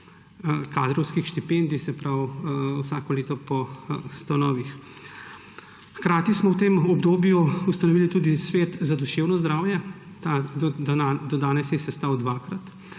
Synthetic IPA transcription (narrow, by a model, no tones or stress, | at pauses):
kaːd̪ɾɔwskixʃt̪ipeːnd̪ixsɛpɾawwsaːkɔleːt̪ɔpɔst̪ɐnɔːʋix | xkɾaːt̪ismɔwt̪eːmɔbd̪oːbjuust̪ɐnɔʋiːlit̪uːd̪isʋeːt̪zad̪uʃeːwnɔzd̪ɾaːwjɛ | t̪ad̪ɔad̪ɔd̪aːnɛsjɛsɛst̪awd̪ʋaːkɾat̪